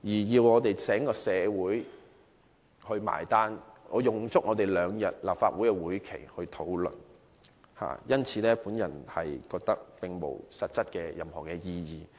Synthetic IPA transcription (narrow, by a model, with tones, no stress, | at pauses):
jiː˨˩jiː˧wŋɔː˨˧t̪e˨jt͡sʰɛː˨˥ŋkɔː˧sɛː˨˧wuː˨˥j | hɵ˧ɥma̰ː˨˩jt̪aː˥nŋɔː˨˧jʊ˨˩ŋt͡sʊ˥k̚ŋɔː˨˧t̪e˨jlœː˨˧ŋjɐ˨t̚laː˨p̚faː˧t̚wu˨˥kɛ˧wuː˨˥jkʰḛ˨˩jhɵ˧ɥt̪ʰo˨˥wlɵ̰˨˩n | ha̰ː˨˩jɐ˥nt͡sʰiː˨˧lɛː˥puː˨˥njɐ̰˨˩nhɐ˨jkɔː˧k̚t̪ɐ˥k̚pɪ˨ŋmo̰˨˩wsɐ˨t̚t͡sɐ˥t̚kɛː˧jɐ˨mhɔː˨˩kɛː˧jiː˧jiː˨